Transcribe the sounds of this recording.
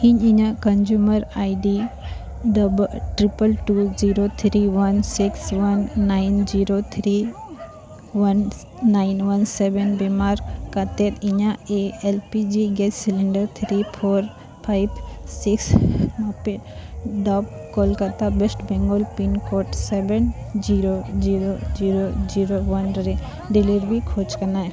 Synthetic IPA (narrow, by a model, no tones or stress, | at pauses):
hiɲiɲãkənd͡ʒuməɾajɖi | ɖəbʈɾipəlʈuziɾot̪ʰɾiʋənsiksʋənːaɪnd͡ʒiɾot̪ʰɾi | ʋənː | aɪnʋənsebenbemaɾkat̪et̪iɲaeelpid͡ʒiɡed͡ʒsiliɳɖəɾt̪ʰɾipʰoːɾ | pʰaɪbsiksmãpeɖɔbkolkat̪abesʈbɛ̃ŋɡolpinkoʈseben | d͡ʒiɾod͡ʒiɾod͡ʒiːɾod͡ʒiɾoʋɐnɾe | ɖiliɾbikʰoːt͡ʃkənae